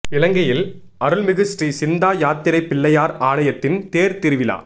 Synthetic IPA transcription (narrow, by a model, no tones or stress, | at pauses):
ɪlɐŋɡɐjɪl | ɐɾɯlmɪɣɪsʈɾisɪnd̪aːjaːt̪ːɪɾɐɪpːɪɭːɐjaːɾaːɭɐjɐt̪ːɪnt̪eːɾt̪ɪɾɯʋɪla̰ː